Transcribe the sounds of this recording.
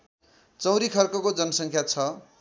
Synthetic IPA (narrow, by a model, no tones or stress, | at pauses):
t͡sʌ̃w̃ɾikʰʌrkʌkod͡zʌnʌsʌŋkʰjat͡sʰʌ